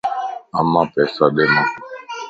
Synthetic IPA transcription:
amãːpɛːsad̪emã

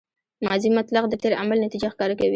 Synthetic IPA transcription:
mɑzimat̪laqd̪əʈ̪eɾa̰malnat̪id͡ʒaxkɑɾakawi

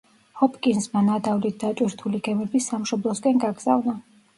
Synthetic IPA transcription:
hɔpʼkʼinsmanad̪avlit̪̚d̪at͡ʃʼwiɾt̪ʰuliɡɛmɛbisamʃɔblˠɔskʼɛnɡaɡz̥a̰vna

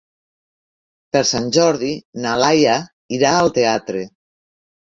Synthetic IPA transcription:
peɾsanʲʒɔɾðinalaja | iɾaːlˠt̪eat̪ɾe

